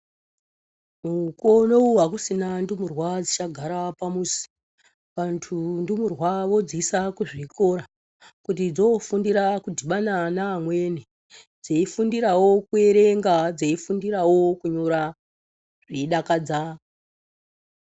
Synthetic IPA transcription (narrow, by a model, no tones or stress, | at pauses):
muko̞nouwakusinandumurwad͡zit͡ʃaɡʱaɾapamusi̥ | ʋantʰundumurwaʋo̞d͡zisakuʐiko̞ɾa | kutid͡zo̞fundiɾakudʱiɓananaːmwe̞ne | d͡zeifundiɾawo̞kue̞ɾe̞ŋɡad͡zeifundiɾawo̞kuɲoɾa | ʐiɗakad͡za